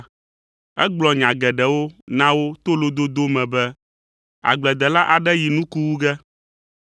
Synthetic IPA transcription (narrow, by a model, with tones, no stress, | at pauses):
ɛ̰˦ɡ͡blɔ˨ɲã˨ɡɛ˨ɖɛ˨wo˦nã˦wo˦t̪o˦lo˦d̪o˦d̪o˦mɛ̃˨bɛ˦ | a̰˨ɡ͡blɛ˨d̪ɛ˨la˦ʔa˨ɖɛ˦ji˨nũ˦ku˦wu˦ɡɛ˦